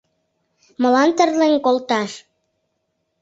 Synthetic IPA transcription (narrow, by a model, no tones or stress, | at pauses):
mə̆lɑnt̪ərleŋkolt̪ɑʃ